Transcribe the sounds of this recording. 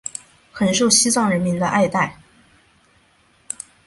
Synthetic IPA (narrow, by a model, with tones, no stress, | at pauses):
xə˨˩nʂo˥˩ʊɕi˥t͡swɑ˥˩ŋɻə˧˥nmi˧˥nd̪ə˧ʔa˥˧ɪt̪a˥˩ɪ